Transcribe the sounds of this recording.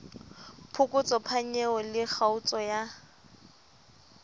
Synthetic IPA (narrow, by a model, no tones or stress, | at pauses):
pʰʊkʼʊt͡sʼɔpʰaɲɛɔlɪk͡xaut͡sʼɔja